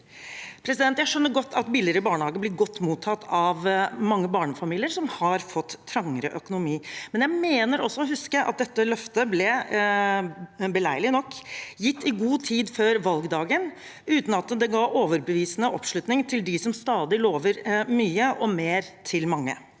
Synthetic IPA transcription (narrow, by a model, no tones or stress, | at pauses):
pʰɾɛsɪd̪ɛnt̪jæɪʂœnːəɾɡɔt̪ːɑt̪bilɪɾəbɑːɳəhɑːɡəblɪɾɡɔt̪ːmuːt̪ʰːɑt̪ːɑʋmɑŋːəbɑːɳəfɑmiːlɪəɾsɔmhɑɾfɔt̪ʰːɾɑŋːəɾə̰ʔœkʊnʊmiːmɛnjæɪmeːnəɾɔsːɔɔɦʉskəʔɑ̰t̪̚d̪ɛt̪ːəlœft̪əblɛ | bəlæɪlɪnɔkːjɪt̪ːɪɡuːt̪ʰiːd̪føːɾʋɑlɡd̪ɑːɡən | ʉːt̪n̩ɑt̪d̪ɛɡɑːʔoːʋəɾbəʋiːsənəʔɔpʂlʉt̪nɪŋt̪ʰɪld̪ɪsɔmst̪ɑːd̪ɪloːʋəɾmyːəʔɔmeːɾt̪ʰɪlmɑŋːə̰